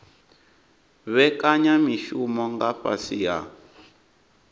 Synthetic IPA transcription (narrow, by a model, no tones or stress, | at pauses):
βɛkaɲamiʃumɔŋɡaɸa̰sija̰